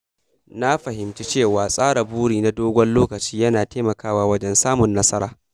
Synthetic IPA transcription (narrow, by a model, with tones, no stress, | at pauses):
na˦ɸɐ˨ɦɪ˨mt͡ʃi˦t͡ʃeː˦˨waː˨sʼaː˦ɽa˨buː˦ɽiː˨na˦doː˦ɡʷɔ˦nloː˦kɐ˨t͡ʃiː˦jɐ˦naː˨teː˦mɐ˨kaː˦˨waː˦wɐ˦d͡ʒɛ˦nsaː˦mʊ˨nːɐ˦sɐ˦ɾaː˨